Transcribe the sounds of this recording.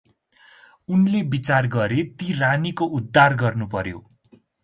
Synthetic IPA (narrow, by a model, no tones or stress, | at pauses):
unlebit͡sarɡʌɾet̪iranikoʔud̪ʱːarɡʌrnupʌɾjo̰